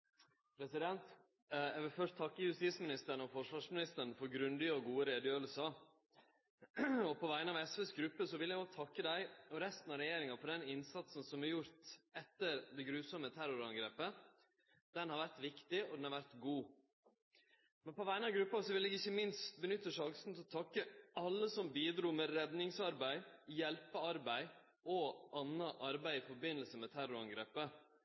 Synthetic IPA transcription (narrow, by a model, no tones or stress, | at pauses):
pʰɾɛsɪd̪ɛnt̪ | jæʋɪlfœʂtt̪ʰɑkːəjʉst̪iːsmɪnɪst̪əɾɳɔfɔʂʋɑːʂmɪnɪst̪əɾɳfɔɾɡɾʉnd̪ɪɔɡuːəɾeːd̪jøːɾəlsɑ | ɔpʰɔʋæɪənəɑʋɛsʋɛsɡɾʉpːəsɔʋɪlːjæɡɔɡt̪ʰɑkːəd̪æɪɔɾɛst̪n̩ɑɾɛjeːɾɪŋɑfɔɖ̪ɛnɪnsɑt̪sn̩sɔmæɾjʊɾt̪ɛt̪ːəɾd̪ɛɡɾʉːsɔmət̪ʰæɾʊɾɑŋɡɾeːpə | d̪̥ɛnhɑɾʋæɾt̪ʋɪkt̪ɪɔd̪ɛnhɑɾʋæɾt̪ɡuː | mɛnpɔʋæɪnɑɡɾʉpːɑsɔʋɪlɛɡɪçːəmɪnst̪bənʏt̪ːəʂɑŋsn̩t̪ɪɔt̪ʰɑkːəɑlːəsɔmbiːd̪ɾuːmɛɾɛd̪nɪŋsɑɾbæɪjɛlpəɑɾbæɪ | ɔɑnːɑʔɑɾbæɪɪfɔɾbɪnːəlsəmɛt̪ʰæɾʊɾɑŋɡɾeːpə